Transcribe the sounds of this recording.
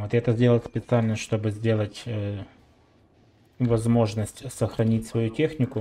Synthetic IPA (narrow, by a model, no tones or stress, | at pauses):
vot̪ɛt̪əzʲdʲe̞ləlˠsʲpʲɪt̪sɨalʲnəʂt̪o̞bɨzʲdʲe̞lˠətʲə | vɐzmo̞ʐnəsʲtʲsəxɾɐnʲitʲsvɐjutʲexnʲɪkʊ